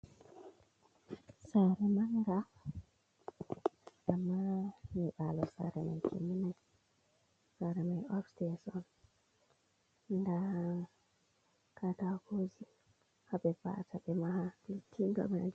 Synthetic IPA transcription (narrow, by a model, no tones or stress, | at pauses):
saɾɛmaŋɡa | ʔamːamiɓalɔsa̰ɾɛma̰jkʰḛmina | saɾɛmajɔpstɛsɔn | nda | kʰatakozi | haɓɛva̰tʰaɓɛmahalitʰːindɔ̰mɛna̰d͡ʒ